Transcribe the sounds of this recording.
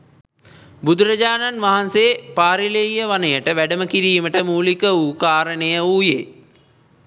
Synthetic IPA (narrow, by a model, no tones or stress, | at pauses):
bud̪uɾəd͡ʒaːnanʋaɦanseːpaːɾileijəʋanəjəʈəʋæɖəməkiɾiːməʈəmuːlikəuːkaːɾənəjəuːjeː